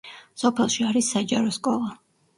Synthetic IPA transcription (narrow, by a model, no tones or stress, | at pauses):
sɔpʰɛlˠʃiaɾisːad͡ʒaɾɔskʼɔlˠa